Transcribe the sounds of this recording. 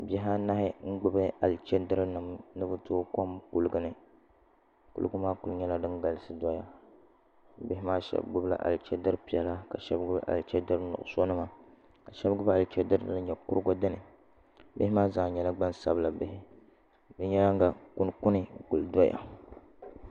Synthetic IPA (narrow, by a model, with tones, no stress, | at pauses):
bɛ˦ɦa˦na˦hɪ˦ŋ̩˦ɡ͡bʊ˦bɨ˦a˨lt͡ʃɛ˦dɨ˦ɾɨ˦nɨ˨mnɨ˦bʊ˦toː˦ko˦mku˦lɨ˦ɡɨ˨nɨ˨ | kṵ˦lɡʊ˦maː˦ku˨˦lɲɛ˦la˨dɨ˦ŋɡa˨lɨ˦sɨ˦dɔ˦ja̰˨˦ | bɪ˦ɦɪ˦maː˦ʃɛ̰˦bɡ͡bʊ˦bla̰˨ʔa̰˨lt͡ʃɛ˦dɨ˦ɾpi˨ɛ˨la˦ka˨ʃɛ˦bɡɨ˦ba̰˦ʔa̰˨lt͡ʃɛ˦dɨ˦ɾnʊ̰˨ʔʊ̰˨so˦nɨ˦ma˨ | ka˨ʃɛ˦bɡɨ˦ba˦a˨lt͡ʃɛ˦dɨ˦ɾnɨ˦lɨ˦ɲɛ˨kʊ˦ɾɡo˦dɨ˦nɨ˨˦ | bɪ˦hɪ˦maː˦zaː˨ɲɛ˨la˦ɡ͡ba˦nsa̰˨bla˨bɪ˦hɪ˦ | bɨ˦ɲɛ˦la˦ŋ˦ɡa˨ku˦n˦ku˦nɨ˦ku˨ldo˦ja̰˨